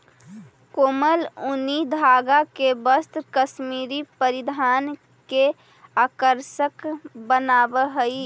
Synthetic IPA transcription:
koməlunid̪ʱaɡakebəst̪kəsmiɾipəɾid̪ʱan | ke | akəɾsəkbənabəɦəi

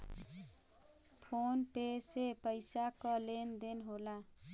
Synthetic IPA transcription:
pʰonpesepəjsakʌlend̪enɦola

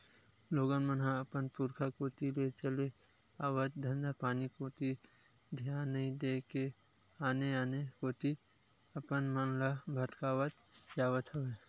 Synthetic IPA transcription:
loːɡənmənɦãəpənpuɾkʰakoːt̪ilet͡ʃəle | aːwət̪̚d̪ʱə̃nd̪apaːnikoːt̪i | d̪ʱjaːnːəĩd̪eːke | aːneaːnekoːt̪i | əpənmənlabʱəʈ̪kaːwət̪̚d͡ʒaːwət̪ɦəʋeː

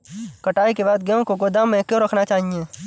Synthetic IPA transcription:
kɐʈaːikebaːd̪̚ɡɐjõkoɡod̪amẽkjõɾɐkʰnat͡ʃaːɦiẽː

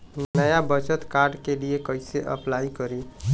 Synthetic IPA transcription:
nnəjabət͡ʃət̪kaːɾɖkeliekəɪseʔə̰plaːikəɾe

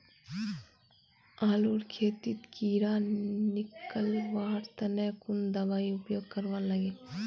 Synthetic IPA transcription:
aːluːɾkʰeːt̪it̪kiːɾanɪkəlʋaːɾt̪ɐnekʊnd̪ɐʋaːiʊpjoːɡ̚kɐɾʋaːnlɐɡeː

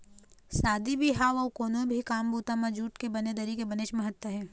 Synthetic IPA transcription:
saːd̪ibʱiɦaːʋɔːkoːnõbʱikaːmbuːt̪ãmɐ̃d͡ʒuːʈkebɐned̪əɾikebɐneʃmɐɦət̪ːəɦɛː

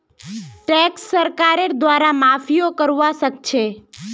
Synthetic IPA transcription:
ʈɛksːəɾkaɾeɾd̪ʋaɾamafijokəɾʋaʃəkt͡ʃʰe

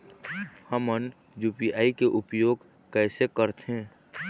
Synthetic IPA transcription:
həmən | juːpiaːikeʔʊpjoːɡ | kɛːsekəɾt̪ɦẽː

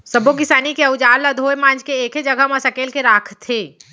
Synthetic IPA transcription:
sɐbokɪsaːnikeɐʊd͡ʒaːllad̪ʱoːjmãːnd͡ʒkeeːkɦed͡ʒɐɡʱamasɐkeːlkeɾaːkʰt̪ʰeː

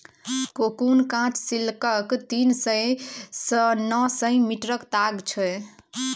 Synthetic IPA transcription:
kokunkãt͡ʃsilkəkt̪insəjsənɔsəjmiʈɾəkt̪aɡt͡ʃʰɛ

